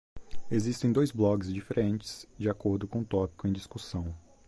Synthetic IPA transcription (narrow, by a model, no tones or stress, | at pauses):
ezist̪ẽj̃d̪ojzblɔɡɪzd͡ʒifeɾʔẽnt͡ʃɪ̥z̥d͡ʒɪakoɾd̪ʊkõt̪ɔpi̥kʊẽj̃d͡ʒiskusɐ̃w̃